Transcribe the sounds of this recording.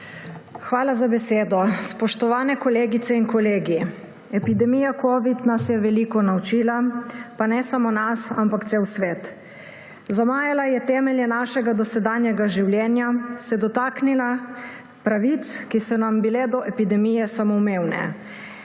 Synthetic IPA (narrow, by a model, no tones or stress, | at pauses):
xʋaːlazabɛseːd̪ɔspɔʃt̪ɔʋaːnɛkɔleːɡit̪sɛinkɔleːɡi | ɛpid̪ɛmijakʰoːʋid̪nasjɛʋɛlikɔnawt͡ʃiːlapanɛsamonasampakt̪sewsʋeːt̪ | zamaːjɛlajɛt̪ɛːmɛljɛnaːʃɛɡad̪ɔsɛd̪aːnjɛɡaʒiwljɛːnjasɛd̪ɔt̪aːknila | pɾaʋit̪skisɔnambilɛd̪ɔʔɛpid̪ɛmijɛsamɔmeːwnɛ̰